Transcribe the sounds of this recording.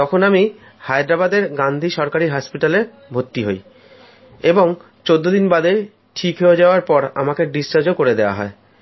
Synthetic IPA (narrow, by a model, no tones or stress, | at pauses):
t̪ɔkʰonami | hajd̪ɾabad̪eɾɡand̪ʱiʃɔɾkaɾiɦɔspiʈale | bʱot̪ːiɦo̰j | eboŋ | t͡ɕod̪ːod̪inbad̪e | ʈʰikɦeod͡ʑaoaɾpɔɾa̰makeɖist͡ɕaɾd͡ʑokoɾed̪eoa̰ɦɔ̰e